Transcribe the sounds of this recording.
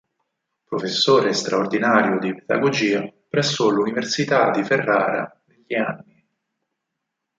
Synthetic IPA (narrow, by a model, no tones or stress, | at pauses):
pɾofesːoːɾest̪ɾaord̪inaːɾjod̪iped̪a̰ɡod͡ʒiːapɾɛsːoluniversit̪ad̪iferːa̰ːɾa̰neʎːianːi